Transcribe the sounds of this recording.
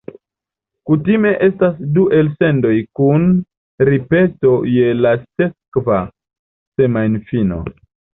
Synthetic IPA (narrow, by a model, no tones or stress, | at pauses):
kutime̞ʔe̞stasduʔe̞lse̞ndo̞jkun | ɾipe̞to̞je̞lase̞kva | se̞manfino̞̰